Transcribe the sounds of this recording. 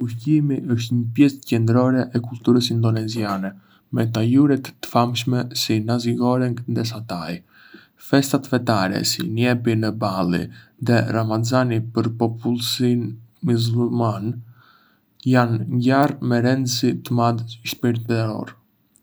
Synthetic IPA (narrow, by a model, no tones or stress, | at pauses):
uhcimiʔəʃ̬t̪ɲəpjɛscɛnd̪ɾɔɾɛʔɛkult̪uɾəsind̪ɔnɛzianɛ | mɛt̪ajuɾɛt̪ːə̥famʃmɛsinaziɡɔɾɛŋɡ̪ðɛs̬at̪aj | fɛst̪at̪fɛt̪aɾɛ̰sḭnjɛpinəbalˠḭ | ðɛɾamazanipəɾpɔpulˠsinmiz̬ulman | janɲɟaɾmɛɾɛnd̪sit̪əmaðʃpiɾt̪ɛɾɔ̰ɾ